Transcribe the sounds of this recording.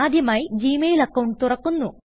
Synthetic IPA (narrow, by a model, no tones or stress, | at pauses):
aːd̪ʱjɐmaːjid͡ʑiːmejlɐkːɐwɳɖ̚t̪urɐkːunːu